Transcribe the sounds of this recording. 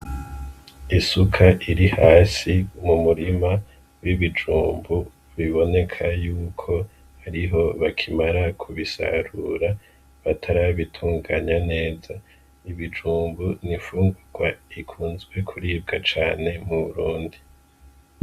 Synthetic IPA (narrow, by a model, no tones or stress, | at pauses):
isukʰaʔiɾihaːsimumuɾima | wiβid͡ʒuːmbu | βiβo̞ne̞kʰajuːkʰo̞ | haɾiɦo̞βakʰimaɾakʰuβisa̰ɾuːɾa | βatʰaɾaβitʰuːŋɡaːɲane̞ːza | iβid͡ʒuːmbunifuːŋɡuɡ̥waikʰuːnzɡwe̞kʰuɾiːb̚ɡat͡ʃaːne̞muβuɾuːndi